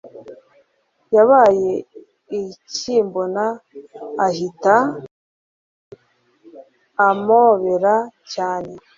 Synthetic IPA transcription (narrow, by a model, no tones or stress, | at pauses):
jaβaːje̞ | iciːmbonaː | hita | amoβe̞ɾacaːne̞